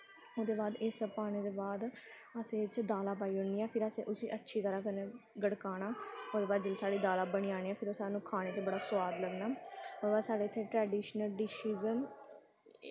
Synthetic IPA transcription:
od̪eːbaːd̪ɪspaːɽ̃eːd̪eːbaːd̪əsẽːt͡ʃd̪aːlaːp̬aːiːɦʊniːaːpʰɪɾəsḛ̃ːʔʊsiːʔətːʃʰiːt̪əɾaːkənẽːɡəɽkaːnaːoːd̪eːbaːd̪̚d͡ʒɪlːsaːɽiːd̪aːlaːbəɽiːaːɽiːaːpʰɪɾosaːnũːkʰaːɽ̃eːt̪eːbəɽaːsʋaːd̪ləɡnaːoːd̪eːbaːd̪saːɽeːt̪ʰːeːʈɾɛːɖiːʃnəlɖɪʃiːzəm

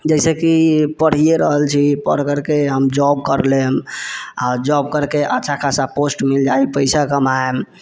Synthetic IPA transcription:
d͡ʒɛsekipəɽ̤ieɾəɦəlt͡ʃʰipə̰ɽ̤kəɾkeɦəmd͡ʒɔb̚kəɾlema̰d͡ʒɔb̚kəɾkeʔətːʃʰakʰasaposʈmild͡ʒajpəjsakəmaem

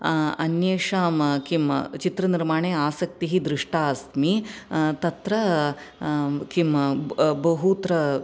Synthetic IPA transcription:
ɐnjeːʂaːmkimt͡ʃit̪ɾɐniɾmaːɳeːaːsɐk̚t̪iɦid̪ɾɪʂʈaːst̪mit̪ɐt̪ɾɐ | kimbɐɦut̪ɾɐ

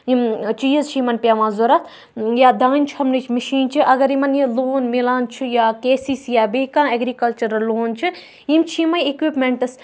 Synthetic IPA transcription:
imt͡ʃiːjɐzt͡ʃʰiimɐnpʲjaːʋãːzoɾɐt̪ʰ | jad̪ãːnʲt͡ʃʰhɐmnit͡ʃʰmɐʃiːnt͡ʃʰiʔɐɡɐɾimɐnjiloːnmilãːnt͡ʃʰijaːkeːsisjaːbekãːeɡɾiːkɐlt͡ʃɐɾɨloːnt͡ʃʰi | imt͡ʃʰimɐjekʋipmeɳʈɨs

